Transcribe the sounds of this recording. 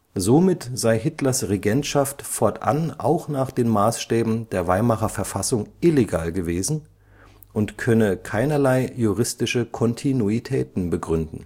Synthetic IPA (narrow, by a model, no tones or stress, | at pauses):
zomɪtz̥aɪɦɪtlɐsʁeɡɛntʃaftfɔɐtʔa̰nʔa̰ʊxnaːχd̥eːnmaːsʃtɛːbm̩deːɐvaɪmaχɐfɛɐfasʊŋʔɪleɡa̰ːlɡəveːzn̩ | ʔʊntkʰœnəkʰaɪnɐlaɪjuʁɪstɪʃəkʰɔntʰinuitʰɛːtn̩bəɡʁʏndn̩